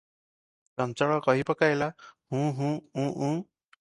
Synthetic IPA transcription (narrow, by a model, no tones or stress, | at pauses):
t͡ʃɔnt͡ʃɔɭɔkɔɦipɔkajlahũɦũũʔũ